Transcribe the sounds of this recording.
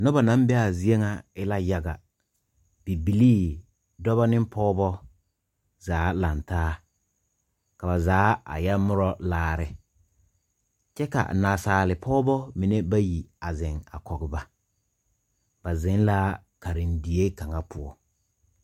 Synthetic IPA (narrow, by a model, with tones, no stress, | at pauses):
nɔ˦ba˨nã˨˦m˦bɛ˦a˨zi˦e˦ŋa˨ɪ˦la˦ja˨ɡa̰˨ | b̥i˨bi˨liː˦˨ | dɔ˦βa˦nɪ˦m˦pɔː˦bɔ˦ | zaː˨˦la˨ntaː˦ | ka˨ba˨zaː˨˦a̰˨jɛ˦mʊ˦ɾɔ˦laː˦ɾɪ˦ | t͡ʃɛ˦ka̰˨naː˨saː˨lɪ˨pʰɔː˦bɔ˦mi˨ne˦ba˦ji˨a˨zɪ˨ŋa̰˨kɔ˨ɡɪ˨ba˨˦ | ba˨zɪ˨˦n˦la˦ | ka˨ɾɪ˨ndi˨e˦ka˨ŋa˦pʊ˦˨ɔ̰˦